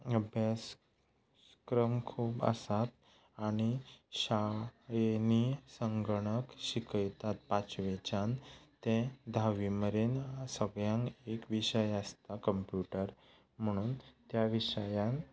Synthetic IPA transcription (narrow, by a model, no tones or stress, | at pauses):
əbjas | kɾəmkʰuːbə̰sat̪ | aɽ̃iɕaenisəŋɡəɽ̃əkɕikəjt̪at̪̚pat͡ɕʋet͡ɕant̪ẽd̪ʱaʋiməɾensəɡɭjãŋkekʋiɕəjəst̪akəmpjuʈəɾ | m̤əɽ̃uːnt̪jaʋiɕəjãn